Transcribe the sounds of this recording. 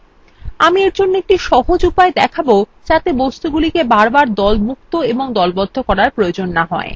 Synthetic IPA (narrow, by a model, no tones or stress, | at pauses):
amieɾd͡ʑonːoek̚ʈiʃɔɦod͡ʑupaed̪ɛkʰabod͡ʑat̪ebɔst̪uɡulikebaɾbaɾd̪ɔlmuk̚t̪oeboŋd̪ɔlbɔd̪ʱːokɔɾaɾpɾojod͡ʑonːaɦɔe